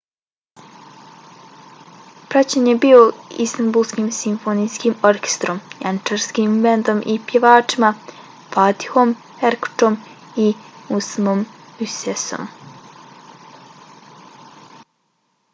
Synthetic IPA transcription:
pɾat͡ɕeɲebio̞ḭst̪anbulˠskimsimfonijskimoɾkʲe̥st̪ɾomjant͡ʃeɾskimvend̪o̞mʔipjeʋaːt͡ʂima | fat̪i̥hom | eɾku̥ʈ͡ʂom | iusmomyseso̰m

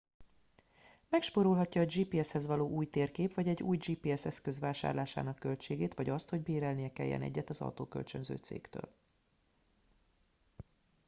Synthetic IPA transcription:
mɛkʃpoɾolɦɒcːɒːd͡ʒiːpiːɛshɛzʋɒloːʔuːjt̪eːrkeːpʋɒɟɛɟːuːjd͡ʒiːpiːɛsɛskø̞zʋaːʃa̰ːrlaːʃa̰ːnɒkːølt͡ʃeːɡeːt̪ʋɒɟɒst̪ho̞ɟbeːɾɛlnijɛkɛ̰jːɛ̰nɛ̰ɟːɛt̪ɒzɒ̰wt̪o̰ːkø̰lt͡ʃønzø̰ːt̪sḛːkt̪ø̰ːl

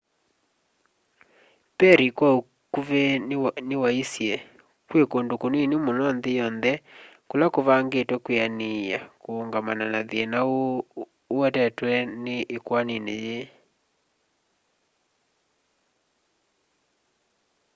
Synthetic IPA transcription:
pɛɾikwao | kuvɛnewaisijɛ | kwekondokoneinemonɔnðejɔnðɛ | kolakoβaŋɡetwɛkweania̰koːŋɡamananaðiɛnao | ɛtɛtwɛneʔːkwaneneje

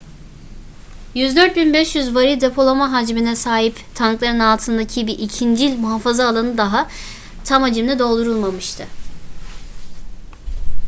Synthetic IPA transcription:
jyzd̪ø̞ɾt̪̚binbɛʃjyzvaɾid̪e̞pʰo̞lˠamaɦad͡ʒminɛsaːɦipt̪ʰanklˠaɾɯnalˠt̪ʰɯnd̪acʰibiʔicʰind͡ʒilʲmuɦafazaːlˠanɯd̪aɦa | t̪ʰamad͡ʒɯmlɛd̪o̞lˠd̪uɾulˠmamɯʃt̪ʰɯ

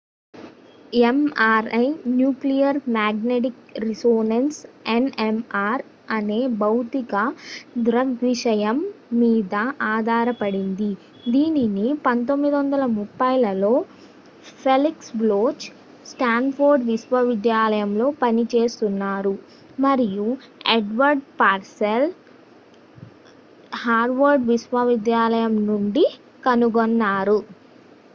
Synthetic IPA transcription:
emaːɾɐjnjuːklijɐɾmaːɡneʈikɾisoːnɐnsenemaːɾ | ɐne̞ːbɐwt̪ikɐd̪ɾɐɡʋiʂɐjɐmːiːd̪ɐʔaːd̪ʱaːɾɐpɐɽind̪i | d̪iːninipɐnt̪o̞mːid̪iʋɐnd̪ɐlɐmupːɐjlɐlo̞ː | pʰeliksbloːt͡ʃ | sʈaːnpʰoːɾɖʋisʋɐʋid̪jaːlɐjɐmlo̞ːpɐnit͡ʃe̞ːst̪unːaːɾu | mɐɾijueɖʋɐɾɖpaːɾsel | haːɾɖʋɐɾɖʋisʋɐʋid̪jaːlɐjɐmnuɳɖi | kɐnuɡonːaːɾu

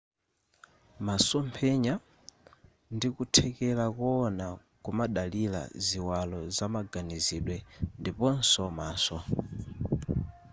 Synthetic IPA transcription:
masɔmpʰɛɲa | ndikutʰɛkɛlakɔɔna | kumaɗalila̰ziwalɔzamaɡaniziɗwɛndipɔn̩sɔmaːsɔ

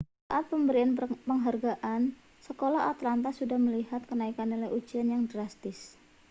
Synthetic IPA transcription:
saʔat̪̚pəmbəɾianpəŋɦarɡaʔan | səkolaat̪lant̪asudahməliɦat̪̚kənaikanolɛud͡ʒianjaŋdɾast̪ɪs

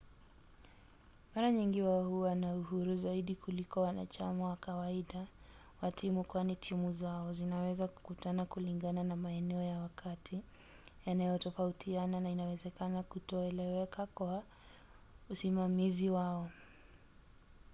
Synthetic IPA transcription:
maɾaɲiŋɡiwahuwanauhuɾuzaiɗikulikɔwana̰t͡ʃamawakawaiɗa | watʰimukwanitʰimuzaɔzinawɛzaku̥kutanakuliŋɡananamaɛnɛɔjawakʰatʰi | janajɔtɔfautʰiananainawɛzɛkanakutɔɛlɛwɛkʰakwa | usimamiziwaɔ

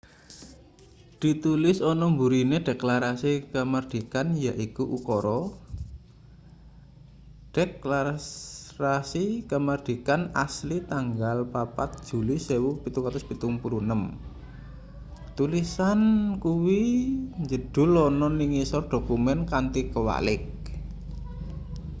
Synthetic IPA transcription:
d̪̥i̤t̪ulɪsɔnɔmbuɾineɖ̥eklaɾasikəmərd̪̥i̤kanjaʔikuʔukɔɾɔ | ɖ̥ekla | ɾasikəmərd̪̥i̤kanaslit̪aŋɡalpapat̪̚ʒ̥ṳlisewupit̪ukat̪ʊspit̪uŋpulunəm | t̪ulisankuwiɲd͡ʒəɖ̥ʊ̤lɔnɔniŋisɔrɖ̥o̤kumɛnkant̪ikəwa̰lɪk̚

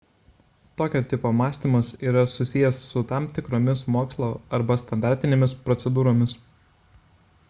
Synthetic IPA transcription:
t̪oːkʲoːt̪ʲɪpoːmɑːsʲt̪ʲiːˑmɐsiːɾɐsʊsʲɪjɛsːʊt̪ɑˑmt̪ʲɪkɾoːmʲɪsmoːkslˠoːɐɾbɐst̪ɐnd̪ɑˑɾʲt̪ʲɪnʲeːmʲɪspɾɔt̪sʲɛd̪uːɾoːmʲɪs

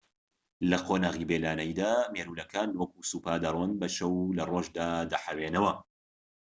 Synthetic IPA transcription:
lɐqʰoːnaːɣiːbeːlaːnɐjd̪aːmeɾuːlɐkʰaːnwɐk̚usuːpaːd̪ɐrˤwɐnbɐʃɐwlɐroːʒd̪aːd̪ɐħɐwenɐwɐ

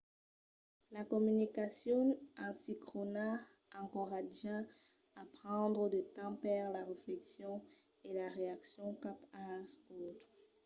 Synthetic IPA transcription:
lakɔmynikasjɔɑ̃sikχona | ɑ̃kɔʁadʒã | apχɑ̃d̪ʁəd̪ət̪ɑ̃pɛʁlaʁeflɛksjɔ̃ | elaʁeaksjɔ̃kapasot̪χ

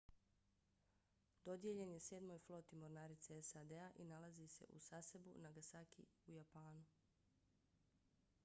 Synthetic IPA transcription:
d̪o̞d̪je̞ʎenjeseːd̪mo̞jflˠo̞ːt̪imo̞ɾnaːɾit̪seesad̪eaʔinalazise̞̰ʔṵsase̞bṵnaɡasakḭujapaːnu

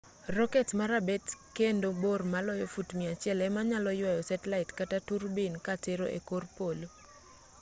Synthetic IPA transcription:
rɔkɛtmaɾabɛtkendobormalɔjɔfutmiat͡ʃɪɛlɛmaɲalɔjwajɔsɛtɛlaɪtkataturbinkateɾo̰ʔḛkorpolo

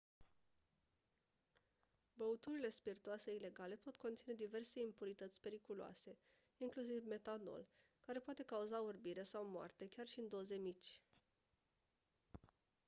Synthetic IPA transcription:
bəut̪uɾile̞spirt̪uase̞ile̞ɡale̞po̞t̪ko̞nt̪sined̪ive̞rse̞impuɾit̪ət̪sʲpe̞ɾikulua̰se̞ | iŋklus̬ivme̞t̪ano̞̰l | kaɾe̞poat̪e̞kauzaurbiɾesawmoa̰rt̪e̞kʲarʃiɨnd̪o̞ze̞mit͡ʃʲ

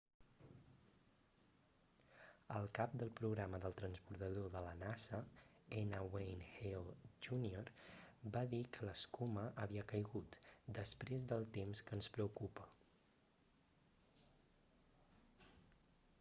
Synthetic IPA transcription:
əlˠkap̚d̪əlˠpɾuɣɾaməðəlˠt̪ɾənspuɾt̪əðoðələnasə | ɛnəwejnhelʒunioɾbaðikʰələskuməʔəβ̞iəkəjɣut̪d̪əspɾezd̪əlˠt̪emskənspɾəukupə

